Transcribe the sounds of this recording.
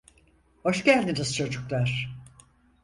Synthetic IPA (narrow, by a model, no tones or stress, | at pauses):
ho̞ʃcælʲd̪iniz̥t͡ʃʰo̞d͡ʒuklˠaɾ̥